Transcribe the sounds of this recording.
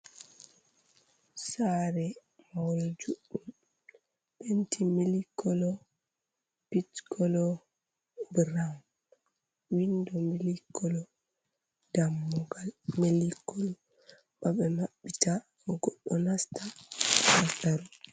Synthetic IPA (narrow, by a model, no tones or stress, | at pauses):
saɾɛ | mawɔld͡ʒuɗːum | bentʰimilikːɔlɔ | pitkʰɔlɔ | bɾam | windɔmilikʰːɔlɔ | d̥amːɔɡalmelikːɔlɔ | ɓaɓɛmaɓːita | ɔɡɔɗːɔnasta | asaɾɔ